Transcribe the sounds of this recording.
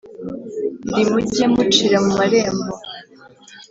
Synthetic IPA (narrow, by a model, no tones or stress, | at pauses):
ndimuɟemut͡ʃiɾamumaɾeːmbo